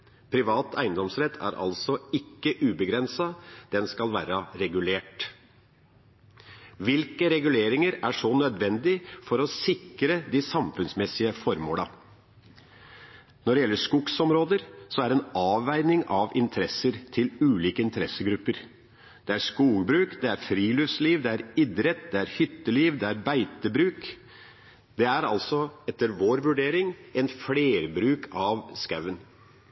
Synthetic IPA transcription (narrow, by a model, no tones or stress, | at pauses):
pʰɾɪʋɑːt̪ʰæɪənd̪ɔmsɾɛt̪ʰːæ̰ɾʔɑ̰lsɔɪkːəʔʉːbəɡɾɛnsɑd̪̥ɛnskɑlʋæːɾɑɾɛɡʉleːʈ | ʋɪlkəɾɛɡʉleːɾɪŋəɾæʂɔnœd̪ʋɛnd̪ɪfɔɾɔsɪkɾəd̪ɪsɑmfʉnsmɛsɪəfɔɾmo̰ːlɑ | nɔɖɛjɛlːəʂkʊɡsɔmɾoːd̪əɾsɔæɾɛnɑːʋæɪnɪŋʔɑʋɪnt̪ʰəɾɛsəɾt̪ʰɪlʉːliːkəɪnt̪əɾɛsːəɡɾʉpːəɾ | d̪̥ɛæɾʂkuːɡbɾʉːkd̪ɛæɾfɾiːlʏʋsliːʋd̪ɛæɾɪd̪ɾɛt̪̚d̪ɛæɾhʏt̪ːəliːʋd̪ɛæɾbæɪt̪əbɾʉːk | d̪̥ɛæɾɑ̰lsɔɛt̪ːəɾʋoːɾʋʉɖeːɾɪŋɛnfleːɾbɾʉːkʰɑʋskɑʋən